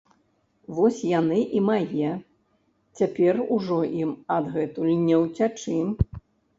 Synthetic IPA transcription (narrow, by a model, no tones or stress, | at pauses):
vɔsʲjanɨʔimajɛ | t͡sʲapʲɛruʐɔʔimɐd̪ɣɛt̪ulʲnʲɛwt͡sʲat͡ʂɨm